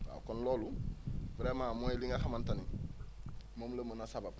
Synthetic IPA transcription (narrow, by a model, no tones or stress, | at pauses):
a̰kɔnlɔːlubɾemamoiliŋaxamantani | momləmənasabab̚